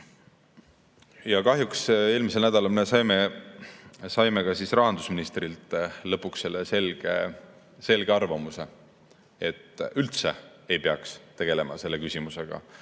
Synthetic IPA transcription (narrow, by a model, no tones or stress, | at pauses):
jɑkɑɦjukse̞ːlmis̬e̞lnæd̪̥ɑlɑlmesɑjme | sɑjmekɑsisrɑɦɑnd̪usminist̪rilt̪ˑlɤpːˑuksːe̞lːeselɡ̥ḛ | se̞lɡ̥e̞ɑrvɑmuse̞ | et̪ːˑylt̪se̞ | ejpeɑkst̪e̞ɡ̥e̞le̞mɑ̰se̞lːe̞kysʲimuse̞ɡ̥ɑ̰